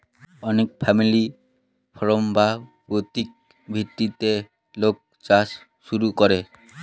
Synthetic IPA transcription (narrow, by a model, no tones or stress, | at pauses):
ɔnekpʰamili | pʰɔɾombapot̪ik̚ | bʱit̪ːit̪e | lok̚ | t͡ʃas | ʃuɾukɔɾe